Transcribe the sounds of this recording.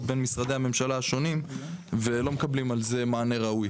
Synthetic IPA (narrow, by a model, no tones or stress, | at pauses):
t̪be̞nmisʁad̪e̞hame̞mʃalaaʃo̞nimve̞lo̞mekablimalze̞maːne̞ʁauj